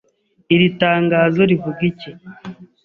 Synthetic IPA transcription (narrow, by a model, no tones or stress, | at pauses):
iɾitaːŋɡaːzo̞ɾivuɡice